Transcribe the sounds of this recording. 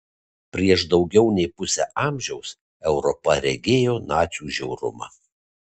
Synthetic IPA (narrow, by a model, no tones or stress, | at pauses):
pʲɾʲiɛʃd̪ɒʊɡʲɛʊnʲɛɪpʊsʲɛ̰ʔɑːmʲʒʲɛʊs | ɛʊɾɔpɐɾʲɛɡʲeːjoːnɑːt̪sʲuːʒʲɛʊɾʊ̰mɑ̰